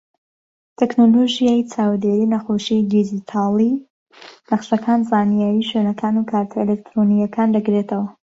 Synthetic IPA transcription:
t̪ʰeknoloʒijajt͡sʰaːwd̪eɾiːnɐxoʃid̪id͡ʒit̪ʰaːlˠi | nɐqsɐkʰaːnzaːnijaːjiːʃwenɐkʰaːnukʰaːɾt̪ʰaelek̚t̪ɾonijɐkʰaːnd̪ɐɡɾet̪ʰɐwɐ

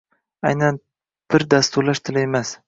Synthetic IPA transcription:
ajnan | b̥ɪɾd̪ast̪uɾlaʃt̪ʰɪlɪemas

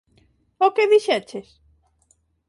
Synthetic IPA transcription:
okebiʃeat͡ɕʰeʃ

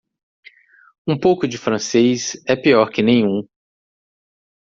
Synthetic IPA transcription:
ũpowkʊd͡ʒɪfɾɐ̃sejsɛpiɔɾkɪnẽj̃ũ

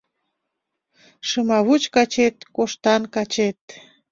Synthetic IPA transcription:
ʃəmɑβut͡ɕkɑt͡ɕet̪̚koʃt̪ɑnkɑt͡ɕet̪̚

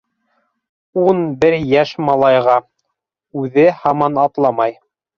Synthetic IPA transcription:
unbɘɾjæʃmɑlˠɑjʁɑ | ʉðɘhɑmɑnɑt̪lˠɑmɑj

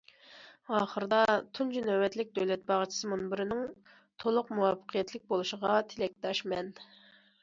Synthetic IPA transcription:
ɑːχəɾɨd̪ɑt̪ʰund͡ʒunɛwɛt̪lɪk̚ʲd̪øwlɛt̪̚bɑʁt͡ʃʰi̥sɨmunbɪɾɪnɪŋ | t̪ʰolˠʊqmuwɑfːə̥qʰijɛt̪ʰlɪk̚ʲbolˠuʃəʁɑt̪ʰɪlɛk̚ʲt̪ɑʃmɛn

